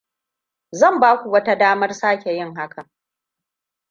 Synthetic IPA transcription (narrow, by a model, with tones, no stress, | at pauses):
zɐ˦˨mbaː˦kʷu˨wɐ˦ta˦daː˦mɐ˦rsaː˦kʲe˨jɪ˦˨ŋɦa˦ka˨